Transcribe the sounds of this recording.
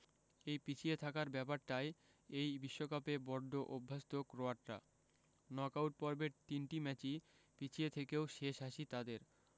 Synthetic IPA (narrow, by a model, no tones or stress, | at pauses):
ejpit͡ɕʰiet̪ʰakaɾbɛpaɾʈae | ejbiʃːokapebɔɾɖ̪ʱoʔobʱːast̪okɾoaʈɾa̰ | nɔkawʈ̚pɔɾbeɾt̪inʈimɛt͡ɕi | pit͡ɕʰiet̪ʰekeoʃeʃaʃit̪ad̪eɾ